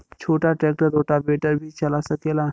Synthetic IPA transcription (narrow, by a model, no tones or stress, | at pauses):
t͡ʃʰoːʈaʈɾeːk̚ʈəɾoːʈabeːʈəɾbʱit͡ʃɐlasɐkela